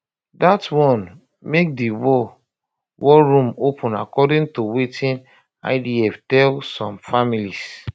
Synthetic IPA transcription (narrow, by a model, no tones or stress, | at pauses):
datwɔ̃n | mek̚diwɔ | wɔɹũmopʰũna̰kɔdĩntuwetʰĩn | a̰ɪdiɛftɛlsɔ̃mfamilis